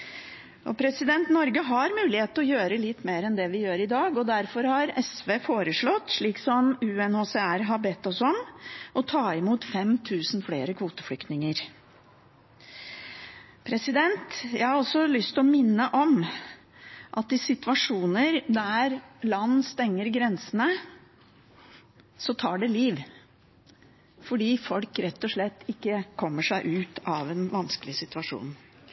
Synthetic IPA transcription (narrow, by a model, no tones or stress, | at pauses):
ʔɔ̰pʰɾɛsɪd̪ɛnt̪nɔɾɡəɦɑɾmʉːlɪheːt̪ɔjøːɾəlɪt̪ːmeːɾɛnd̪ɛʋɪjøːɾɪd̪ɑːɡɔd̪æɾfɔɾhɑɾɛsʋeːfoːɾəʂɭɔt̪ːʂɭiːksɔmʉːɛnhoːsɛæɾɦɑbɛt̪ːɔsɔmʔɔt̪ʰɑːɪmuːt̪fɛmt̪ʰʉːsn̩fleːɾəkʰʋuːt̪ə̥fɽʏkt̪nɪŋəɾ | pʰɾɛsɪd̪ɛnt̪jæɪhɑɾɔsɔlʏst̪ɔmɪnːəʔɔm | ʔɑt̪ɪsɪt̪ʋɑʂuːnəɾd̪æɾlɑnːst̪ɛŋːəɾɡɾɛnsənə | sɔt̪ʰɑːɖɛliːʋ | fɔɖiːfɔlkɾɛt̪ːɔʂɭɛt̪ːɪkːəkʰɔmːəʂæɪʔʉːt̪ɑʋɛnʋɑnskəlɪsɪt̪ʉɑʂṵːn